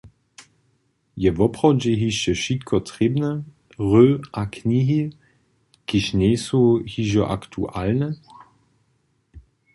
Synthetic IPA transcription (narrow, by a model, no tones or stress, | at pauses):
jɛvɔpʁɔd͡ʒeɦiʃəʃitkʰɔt̪ʁ̥ɪbnə | ʁøːʔakniːɦi | kiʃneːsuhiʒɔʔa̰kt̪ʰuʔalnə